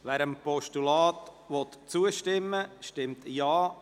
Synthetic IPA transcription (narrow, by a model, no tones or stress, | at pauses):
ʋæːɾəmpɔʃtulɑːt̪ | ʋɔt̪t͡suəʃtɪmːəʃtɪmt̪jɑː